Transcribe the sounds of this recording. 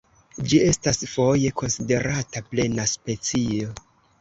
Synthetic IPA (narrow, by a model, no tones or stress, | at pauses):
d͡ʒie̞stasfo̞je̞ko̞nside̞ɾataple̞naspe̞t͡sio̞